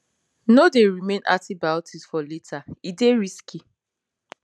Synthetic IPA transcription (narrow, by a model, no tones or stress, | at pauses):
nodeɹimẽnʔa̰tibaʊtʰisfɔletʰaideɹiski